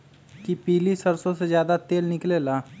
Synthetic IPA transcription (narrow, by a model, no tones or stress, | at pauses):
kipiːlisəɾsõsezjaːd̪at̪eːlnɪkleːlaː